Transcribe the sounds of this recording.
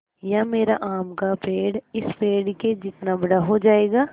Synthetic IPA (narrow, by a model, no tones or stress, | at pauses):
jaːmeːɾa̰ʔaːmkapeːɽɪspeːɽked͡ʒɪt̪nabɐɽaɦod͡ʒaːeːɡaː